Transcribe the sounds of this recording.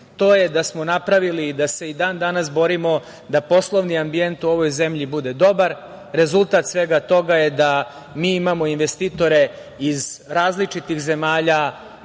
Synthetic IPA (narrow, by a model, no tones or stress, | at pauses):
t̪o̞ːjed̪asmonapɾaʋilid̪ase̞id̪aːnd̪anasbo̞ɾimo̞ | d̪apo̞slˠo̞ʋniambient̪uo̞ʋo̞jze̞mʎibud̪e̞d̪o̞baɾ | ɾe̞zulˠt̪at̪sʋe̞ɡat̪o̞ɡajed̪a | miːimamo̞inʋest̪it̪o̞ɾe̞ | izɾaːzlit͡ʂit̪ixze̞maːʎa